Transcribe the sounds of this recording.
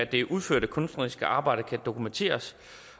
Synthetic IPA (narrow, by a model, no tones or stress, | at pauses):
æd̥e̝ʔuð̞ˠføɐ̰ɾ̥əkʰɔ̽nsd̥ʁisɡ̥əʔɑ̈ːb̥ɑ̈ɪ̰ɾ̥əkʰæd̥o̝kument͡sʰe̝̰ːɐs